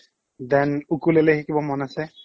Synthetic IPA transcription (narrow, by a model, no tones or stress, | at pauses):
d̪ɛnukulɛlɛxikibɔmɔnasɛ